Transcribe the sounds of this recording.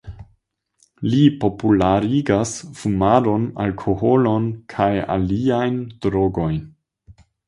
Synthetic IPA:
lipo̞pulaɾiɡasfumaɾo̞na̰lkʰo̞ho̞lo̞nkʰaja̰liajnd̥ɾoɡo̞jn

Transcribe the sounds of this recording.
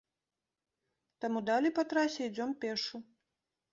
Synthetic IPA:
t̪amud̪alʲɛjpat̪ɾasʲɛid͡zʲɔmpʲɛʂu

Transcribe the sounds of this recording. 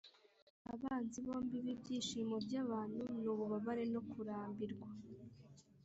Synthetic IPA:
aβaːnziβo̞ːmbiβibɟiːʃiːmobɟaβaːn̥hunuːβuβaβaɾe̞no̞kuɾaːmbiɾɡwa

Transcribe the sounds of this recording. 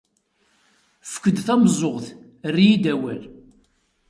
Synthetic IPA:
fə̥kːəd̪θæmzˤoʁθ | rːiid̪æwæ̰l

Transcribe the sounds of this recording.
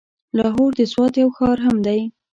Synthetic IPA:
lɑɦoɾd̪əswɑt̪jawxɑɾɦamd̪aj

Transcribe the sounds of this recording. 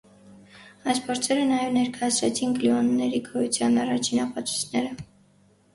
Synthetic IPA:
ɑjspʰɔɾt͡sʰɛɾənɑjɛvnɛɾkʰɑjɑsɾɛt͡sʰinkliɔnːɛɾikʰɔhjut͡sʰjɑnɑrɑt͡ʃʰinɑpɑt͡sʰu̥t͡sʰnɛɾə

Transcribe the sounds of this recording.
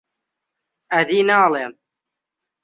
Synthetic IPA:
ɐd̪iːnaːlem

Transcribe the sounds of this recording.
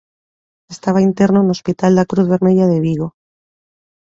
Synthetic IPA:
est̪aβ̞aint̪e̞ɾnoeno̞spit̪ald̪akɾuðβe̞ɾmeʝaðeβiɣo̞

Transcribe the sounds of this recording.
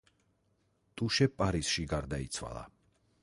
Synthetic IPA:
t̪ʼuʃɛpʼaɾisʃiɡaɾd̪ait̪sʰwa̰lˠa̰

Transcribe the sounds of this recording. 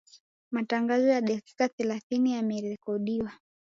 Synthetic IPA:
mataŋɡazɔjaɗɛki̥kaθɛlaθinijamɛɾɛkɔɗiwa

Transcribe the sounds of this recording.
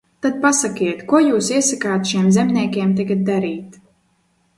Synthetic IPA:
t̪ad̪̚pasakiɛt̪kuɔjuːsiɛsakaːt̪ʃiɛmzɛmnʲiɛkʲiɛmt̪̬aɡat̪̚d̪aɾiːt̪

